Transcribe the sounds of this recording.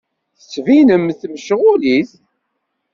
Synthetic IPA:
θət͡sːvinəmθməʃʁʊliθ

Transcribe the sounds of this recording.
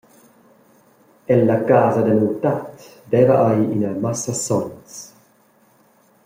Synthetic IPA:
ɛlːakaːzad̪ənuwt̪at̪ | d̪ɛvaʔajinamasasɔns

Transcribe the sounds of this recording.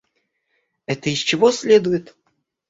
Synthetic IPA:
ɛt̪əist͡ɕɪvosʲlʲed̪ʊjɪt̪

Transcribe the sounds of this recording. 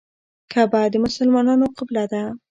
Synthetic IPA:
kʰabad̪əmʊsəlmɑnɑnoqɪblad̪a

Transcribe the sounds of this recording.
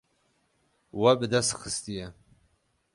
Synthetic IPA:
wɐbɨd̪ɐst̪xəst̪ijɛ

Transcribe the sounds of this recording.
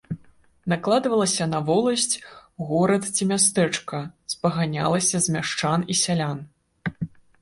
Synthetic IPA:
naklˠad̪vɐlˠɐsʲɐnɐvɔlˠɐsʲt͡sʲɣɔɾɐt̪t͡sʲimʲast̪ɛt͡ʂkɐspɐɣanʲa̰lˠɐsʲɐzmʲaʂt͡ʂanisʲalʲan

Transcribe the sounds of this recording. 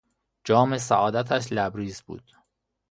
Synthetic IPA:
d͡ʒɒːmesæ̰ʔɒːd̪æt̪ʰæʃlæbɾiːzbṵːd̪̥

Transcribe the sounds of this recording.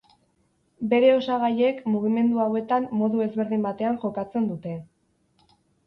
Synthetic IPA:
be̞ɾe̞o̞saɣaje̞kmuɣ̞ime̞nd̪uawe̞t̪amːo̞ðue̞zβe̞ɾðimbat̪e̞aŋʝo̞kat͡se̞nd̪ut̪e̞

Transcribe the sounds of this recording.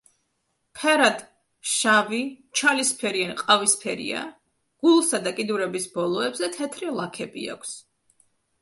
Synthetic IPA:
pʰɛɾad̪ | ʃavi | t͡ʃʰalispʰɛɾianqʼavispʰɛɾḭa̰ | ɡ̥ulˠsad̪akʼid̪uɾɛbisbɔlˠɔɛbzɛt̪ʰɛt̪ʰɾilˠakʰɛbḭa̰kʷʰs

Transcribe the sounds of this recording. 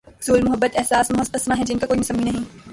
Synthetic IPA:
z̥uːlmʊɦɐbːət̪ɛɦsaːsmʊɦɐt̪qɪsmãɦɛ̃d͡ʒɪnkakoːimʊsɐ̃mːinɐɦĩ

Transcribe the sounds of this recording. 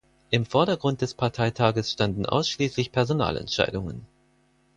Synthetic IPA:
ʔɪmfɔɐɾɐɡʁʊnt̚d̥ɛspʰaɐtʰaɪtʰaːɡəsʃtandn̩ʔa̰ʊsʃliːslɪçpʰɛɐzona̰ːlɛ̰ntʃa̰ɪdʊŋə̰n

